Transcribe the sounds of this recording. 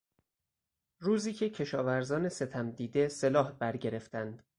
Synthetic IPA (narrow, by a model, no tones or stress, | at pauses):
ruːziːcʰe̞cʰe̞ʃɒːvæɾzɒːnese̞t̪ʰæmd̪iːd̪e̞se̞lɒːhbæɾɟe̞ɾe̞ft̪ʰænd̪̥